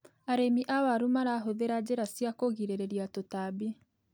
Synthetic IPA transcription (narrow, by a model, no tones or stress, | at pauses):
aɾemiʔawaɾumaɾaɦoðeɾad͡ʑeɾasjakoɣiɾeɾeɾiatotabi